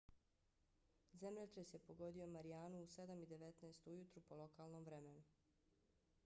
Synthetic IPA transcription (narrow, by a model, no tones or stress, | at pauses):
zemʎet̪ɾesje̞po̞ɡo̞d̪io̞maɾijaːnuːse̞d̪amid̪e̞ʋet̪naest̪ujut̪ɾupo̞lˠo̞kaːlnomʋɾemenu